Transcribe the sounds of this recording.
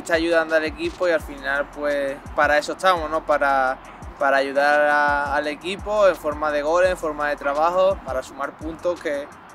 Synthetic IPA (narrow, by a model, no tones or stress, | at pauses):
et̪aːʝuðand̪oale̞kipoialfinalpwe̞paɾae̞sot̪amono̞paɾa | paɾaːʝuðaɾɾaːle̞kipo̞eɱfo̞ɾmaðe̞ɣ̞o̞leɱfo̞ɾmaðe̞t̪ɾaβaho̞paɾasumaɾpunt̪oke̞